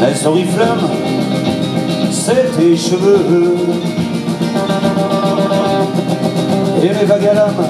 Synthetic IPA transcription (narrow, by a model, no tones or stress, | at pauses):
lasɔ̃ʁiflam | sɛt̪eʃəvø | elevaɡalam